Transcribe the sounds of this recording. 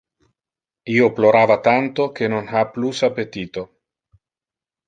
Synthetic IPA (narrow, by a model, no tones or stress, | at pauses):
ioploɾavat̪ant̪okenonxaplusapet̪iːt̪o